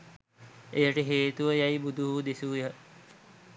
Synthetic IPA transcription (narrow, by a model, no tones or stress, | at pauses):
ejəʈəɦeːt̪uʋəjaibud̪ʱuɦud̪esujə